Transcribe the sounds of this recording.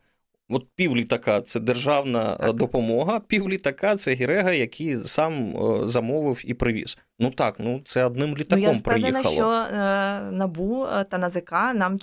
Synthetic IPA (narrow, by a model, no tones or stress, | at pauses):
ɔt̪̚pʲiwlʲit̪ɐkɑt̪sɛd̪erʒɑwnɐ̰d̪ɔpɔmɔɦɐpʲiwlʲit̪ɐkɑt̪sɛɦʲiɾɛɦɐjɐkʰijsɑmzɐmɔʋɪwipɾɪʋʲḭz̥ | nut̪ɑknut̪sɛɐd̪nɪmlʲit̪ɐkjɔmpɾɪɛ̰j̪inɐxɐ̰lˠɔ | nɐbut̪ɐnɐzɪkɑnɑm